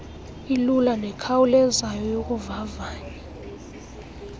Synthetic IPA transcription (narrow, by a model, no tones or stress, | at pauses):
ilulanɛkʰawulɛzajɔjok̬ʼuvavaːɲɛ